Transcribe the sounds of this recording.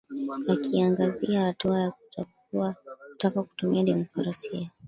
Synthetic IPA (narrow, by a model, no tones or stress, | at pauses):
akʰiaŋɡaziahatuajakuta | uakutakaku̥tumiaɗimukaɾasia